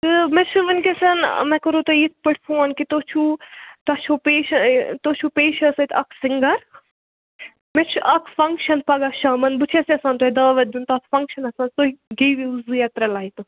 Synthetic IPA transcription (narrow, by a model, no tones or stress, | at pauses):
t̪ɨmet͡ʃʰuʋɐnkesɐn̰mɛkɐɾot̪oit̪̚ʰpɐʈʰfʰoːnkit̪ot͡ʃʰut̪ɐt͡ʃʰoːpeːʃɐt̪ot͡ʃʰupeːʃɐsɐt̪ʰɐkʰsiŋɡɐɾ | met͡ʃʰuʔɐkʰfɐŋkʃɐnpɐɡaʃaːmɐnbɨt͡ʃʰesiɐsãːnt̪oːhid̪ɐːʋɐt̪̚d͡ʒunt̪ɐt̪ʰfɐŋkʃɐnɐsãːnt̪oɦiɡejʋiuzɨjɐt̪ɾɐlaːit̪u